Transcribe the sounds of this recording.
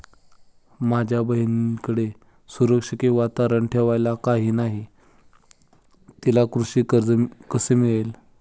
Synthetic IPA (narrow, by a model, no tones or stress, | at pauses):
mad͡ʑʱjabəɦinikəɽe | suɾəkʂəkeʋat̪aɾəɳʈʰeʋajlakaɦiːnaɦi | t̪ilakɾuʂiːkəd͡zkəsemiɭel